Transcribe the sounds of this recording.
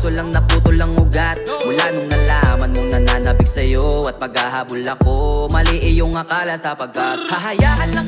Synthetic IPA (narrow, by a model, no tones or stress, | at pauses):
solɐŋnɐp̪uːt̪ʊlɐŋʔʊɡat̪̚mʊlaːnʊŋnɐlaːmɐnmoŋnɐnaːnɐbɪɡsɐjoɐt̪̚pɐɡhahaːbʊlɐko̞mɐlɪʔɪjʊŋɐkaːlɐsɐpɐɡkːɐt̪̚hɐɦɐjaːʔɐnːɐŋ